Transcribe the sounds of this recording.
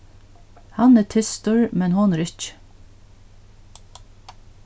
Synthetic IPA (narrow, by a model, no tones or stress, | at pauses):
hɑnæːt̪ʰɪst̪ʉɹmɛnhɔnːɾɪç